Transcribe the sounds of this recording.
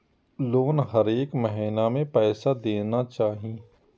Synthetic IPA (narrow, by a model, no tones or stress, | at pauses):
loːnɦɐɾeːkməɦiːnamẽpɛːsad̪eːnat͡ʃaːɦĩː